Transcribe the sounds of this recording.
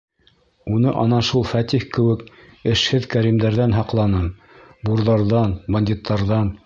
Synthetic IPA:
unɤʔɑnɑʃulˠfæt̪ʲihkɘ̆wɘ̆k | ɘ̆ʃhɘðkæɾimd̪æɾðænɦɑqlˠɑnɤm | buɾðɑɾðɑnbɐnʲd̪ʲit̪ːɑɾðɑn

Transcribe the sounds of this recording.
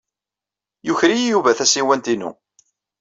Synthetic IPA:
jʊçɾijijuvæθæsiwænt̪inṵ

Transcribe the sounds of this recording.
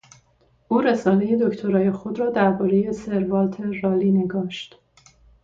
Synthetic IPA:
ʔuːɾesɒːne̞je̞d̪o̞ct̪ʰo̞ɾɒːje̞xo̞d̪ɾɒːd̪æɾbɒːɾe̞je̞se̞ɾvɒːlt̪ʰe̞rɒːliːne̞ɡɒːʃt̪

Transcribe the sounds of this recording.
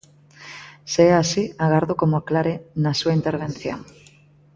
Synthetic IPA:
seɛasiaɣaɾðokomoaklaɾenasuaint̪eɾβ̞en̟θjo̰ŋ

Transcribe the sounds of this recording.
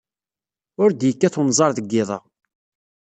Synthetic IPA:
ʊɾd̪jəkːæθunzˤɑɾˤðəɡːɪðˤɑ̰

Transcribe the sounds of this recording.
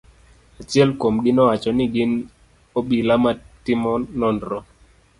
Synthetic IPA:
at͡ʃjɛlkomɡɪnɔwat͡ʃɔnɪɡɪn | oɓilamatɪmɔnɔndɾɔ

